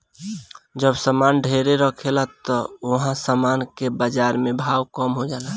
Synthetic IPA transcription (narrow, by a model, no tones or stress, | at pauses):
d͡ʒəbsəmanɖʱeɾeɾəkʰelat̪ɔoɦãsəmankebad͡ʒaɾmebʱawkəmɦod͡ʒala